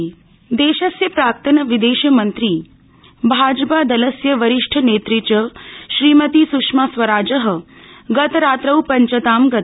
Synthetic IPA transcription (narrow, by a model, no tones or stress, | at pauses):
d̪eːʃɐsjɐpɾaːk̚t̪ɐnɐʋid̪eːʃjɐmɐnt̪ɾiː | bʱaːd͡ʒpad̪ɐləsjəʋɐɾɪʂʈʰəneːt̪ɾit͡ʃəʃɾiːmɐt̪isukʂmasʋɐɾaːd͡ʒəɦə̆ | ɡɐt̪ɾaːt̪ɾɐwpɐɲt͡ʃɐt̪aːmɡɐt̪